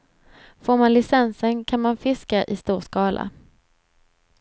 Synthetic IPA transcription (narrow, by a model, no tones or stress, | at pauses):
foːɾmanlɪsɛnsənkʰanmanfɪskaʔɪst̪uːɾʂkɑːlʔa̰